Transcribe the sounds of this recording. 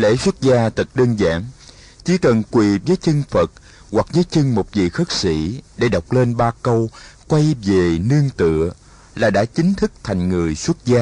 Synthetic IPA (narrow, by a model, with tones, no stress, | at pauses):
lḛ˧˥swə˦˥t̚zaː˧t̪ɨ˨˩k̚ɗəː˧nza̰ː˧˥ŋ | t͡ɕi˧˩kə˨˩nkwi˨˩vəː˨˦jt͡ɕɨ˧ŋfə˨˩t̚ | wa˨˩k̚vəː˨˦jt͡ɕɨ˧ŋmo˨˩t̚vḭ˧˨xə˦˥t̚sḭ˧˥ɗe˧˩ɗə˨˩wk͡p̚le˧nɓaː˧kə˧wkwa˧jve˨˩ni˧əŋt̪ɨ̰˧˨ə | laː˨˩ɗa̰ː˧˥t͡ɕï˨˦ŋ̟t̪ʰɨ˦˥k̚t̪ʰa˨˩jŋ̟ŋɨ˨˩əjswə˦˥t̚zaː˧